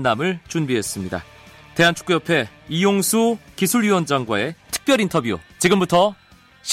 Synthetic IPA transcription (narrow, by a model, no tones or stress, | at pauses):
nːamɯɭt͡ɕunbiɦe̞s͈ɯmɲida̰ | te̞ɦant͡ɕʰu̥k͈ujʌpʰe̞ijoŋsʰukisʰuɭjuwʌnd͡ʑaŋɡwae̞tʰɯ̥k̚p͈jʌɾintʰʌbjṵt͡ɕiɡɯmbutʰʌ | ɕʰ